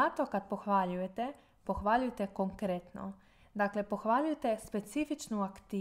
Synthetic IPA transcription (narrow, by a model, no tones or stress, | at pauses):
at̪o̞kad̪̚po̞xʋaʎuje̞t̪e̞ | po̞xʋaʎujet̪e̞koŋkɾet̪no̰ | d̪aːkle̞po̞xʋaʎujet̪e̞spe̞t̪sifit͡ʃnuakt̪iː